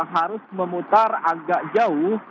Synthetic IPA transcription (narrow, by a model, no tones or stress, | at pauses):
ŋɦaɾʊsməmut̪araɡaʔd͡ʒaʊh